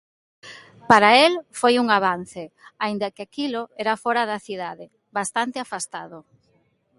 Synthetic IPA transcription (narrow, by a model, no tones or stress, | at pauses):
paɾaelfojuŋaβ̞anθeaind̪akɪakiloɛɾafɔɾaðɐθiðaðe | βast̪ant̪eafast̪aðʊ